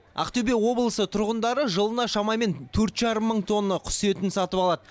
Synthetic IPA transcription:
æ̰qt̪ɵbe̞wo̞blˠəsət̪ʰʊɾʁənd̪ɑɾəʒəlˠənɑʃɑmɑme̞nt̪ʰɵɾt̪ʒɑɾəmːəɴt̪ʰo̞nːɑqʰʊ̥se̞t̪ɪnsɑt̪əpɑlˠɑd̪ə

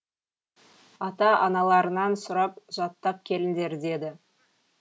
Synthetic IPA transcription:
ɑt̪ɑʔɑnɑlˠɑɾənɑnsʊɾɑpʒ̥ɑt̪ːɑp̚kʲʰe̞lɪnd̪e̞ɾd̪e̞d̪ɪ

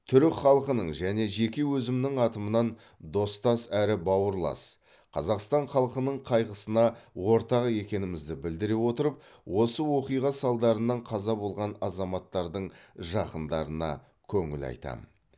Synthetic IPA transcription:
t̪ʰʏɾɪkχɑlˠəqənəɴʒæne̞ʒe̞kʲewɵzɪmnɪŋɑt̪əmənɑn | d̪o̞st̪ɑsæɾɪbɑwəɾlˠɑ̰s | qʰɑzɑqst̪ɑɴχɑlˠqənəɴqʰɑjʁəsənɑwo̞ɾt̪ɑʁe̞kʲe̞nɪmɪzd̪ɪbɪld̪ɪɾewo̞t̪əɾəp̚ | wo̞səwo̞qijʁɑsɑlˠd̪ɑɾənːɑɴqʰɑzɑbolˠʁɑnɑzɑmɑt̪ːɑɾd̪əɴʒɑqənd̪ɑɾənɑ̰ | kʲʰɵŋɪ̰lɑ̰jt̪ɑ̰mə

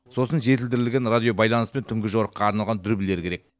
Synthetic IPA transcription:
so̞sənʒe̞t̪ɪld̪ɪɾɪlɡʲe̞nrad̪ijo̞bɑjlˠɑnəspe̞nt̪ʰʏŋɡʲɪʒowɾəqːɑːɾnɑlˠʁɑnd̪ʏɾbɪle̞ɾkʲʰe̞ɾek̚

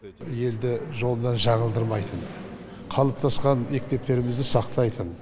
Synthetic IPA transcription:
je̞ld̪ɪʒo̞lˠənɑnʒɑɴəlˠd̪əɾmɑjt̪ʰən | qʰɑlˠəp̚t̪ʰɑsqɑnme̞k̚t̪e̞p̚t̪e̞ɾɪmɪzd̪ɪsɑqt̪ɑjt̪ʰən

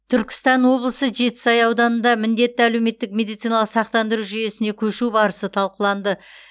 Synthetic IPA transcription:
t̪ʰʏɾkʲɪ̥st̪ɑnwo̞blˠəsəʒe̞t̪ɪ̥sɑjɑwd̪ɑnənd̪ɑmɪnd̪e̞t̪ːɪælewme̞t̪ːɪk̚mʲe̞d̪ijt̪sijnalˠəqsɑq̚t̪ɑnd̪əɾuʒyje̞sɪne̞kʲʰɵʃubɑɾəsət̪ʰɑlˠqəlˠɑnd̪ə

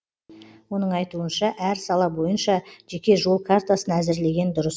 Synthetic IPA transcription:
wo̞nəɴɑjt̪uənʃɑʔæɾsɑlˠɑbo̞jənʃɑʒ̥e̞kʲe̞ʒo̞lˠkʰart̪asənæzɪɾle̞ɡʲe̞nd̪ʊɾəs

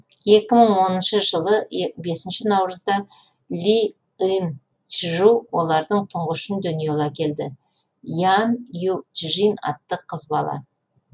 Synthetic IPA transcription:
je̞kʲɪməɴwo̞nənʃəʒəlˠəbe̞sɪnʃɪnɑwɾəzd̪ɑ | lʲi | in | t͡ʃʒuwo̞lˠɑɾd̪əɴt̪ʰʊɴʁʊʃənd̪ʏnijeɡʲɑkʲʰe̞ld̪ɪ | janjult̪ʒinɑ̰t̪ːəqʰːəzbɑlˠɑ̰

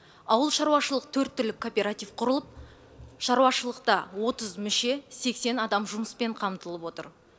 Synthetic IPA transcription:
ɑwəlˠʃɑɾuɑʃəlˠəq̚t̪ʰɵɾt̪ːʏlɪkʰːo̞pʲe̞ɾat̪ijfqʰʊɾəlˠəp̚ | ʃɑɾuɑʃəlˠəqt̪ɑwo̞t̪əzmʏʃe̞se̞kse̞nɑd̪ɑmʒʊməspe̞ɴqʰɑmt̪əlˠəpwo̞t̪ə̰ɾ

